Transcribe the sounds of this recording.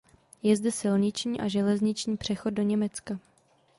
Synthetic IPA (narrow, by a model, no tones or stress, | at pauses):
jɛzdɛsɪlɲɪt͡ʃɲiːʔaʒɛlɛzɲɪt͡ʃɲiːpr̝̥ɛxod̚dːo̞ɲɛmɛt͡ska